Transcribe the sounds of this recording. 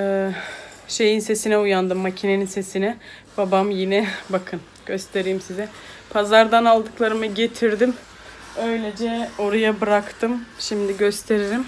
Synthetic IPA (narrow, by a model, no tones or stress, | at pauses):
ɛː | ʃe̞jinse̞sinɛujand̪ɯmːacʰine̞ninse̞sinɛ | babamjinɛbakʰɯn | ɟ̥ø̞st̪ʰe̞ɾijimsizɛ | pʰazaɾd̪analˠd̪ɯklˠaɾɯmɯɟe̞t̪ʰiɾd̪im | ø̞jlʲed͡ʒɛo̞ɾajabɯɾakt̪ʰɯmʃimd̪iɟø̞st̪ʰe̞ɾiɾim